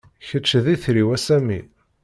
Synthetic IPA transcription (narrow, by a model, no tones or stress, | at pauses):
çət͡ʃːəðiθɾiwæsæmḭ